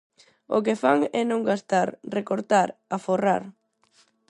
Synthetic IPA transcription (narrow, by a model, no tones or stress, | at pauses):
o̰kefaŋɛnõŋɡast̪aɾrekoɾt̪aɾafora̰ɾ